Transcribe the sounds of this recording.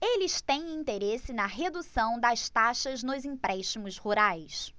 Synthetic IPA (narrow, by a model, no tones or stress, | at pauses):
elɪst̪ẽj̃ĩnt̪eɾesɪnɐɦed̪usɐ̃w̃d̪ɐst̪aʃɐznʊzĩpɾɛʃtimʊshuɾajs